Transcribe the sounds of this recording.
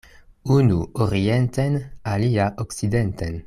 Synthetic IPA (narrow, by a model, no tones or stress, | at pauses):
unuoɾient̪enaliaʔoksid̪ent̪en